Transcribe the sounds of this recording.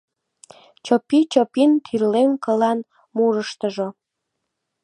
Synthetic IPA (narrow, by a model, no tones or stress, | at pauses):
t͡ɕopit͡ɕopint̪ʰirlenkəlɑn | muɾəʃt̪əʒo